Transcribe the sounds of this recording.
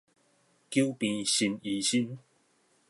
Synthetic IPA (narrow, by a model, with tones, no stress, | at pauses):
kju˦pĩ˨˧ɕi˧ni˨˦ɕi˦n